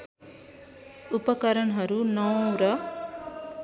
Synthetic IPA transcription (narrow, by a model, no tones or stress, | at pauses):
upʌkʌɾʌɳɦʌɾunɔwɾʌ